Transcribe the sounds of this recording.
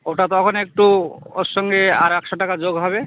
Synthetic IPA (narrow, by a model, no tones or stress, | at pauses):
oʈat̪ɔɔkʰɔnek̚ʈuo̰ʃɔŋɡea̰ɾɛkʃɔʈakad͡ʒoɡɦɔbe